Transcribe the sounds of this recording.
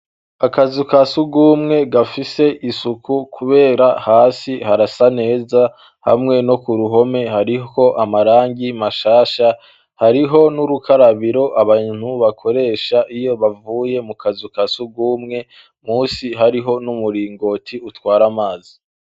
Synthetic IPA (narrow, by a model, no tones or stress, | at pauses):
akazukasuɡuːmŋe̞ɡafise̞ʔisukʰukʰuβe̞ːɾahaːsihaɾasane̞ːza | ha̰mŋe̞no̞kuɾuɦo̞me̞haɾio̞ʔamaɾaːŋɡimaʃaːʃa | haɾiɦo̞nuɾukʰaɾaβiɾo̞ʔaβan̥huβakʰo̞ɾe̞ːʃaʔijo̞βavuːje̞mukʰazukasuɡuːmŋe̞ | muːsiɦaɾiɦo̞numuɾiːŋɡo̞tʰiutwaːɾamaːzi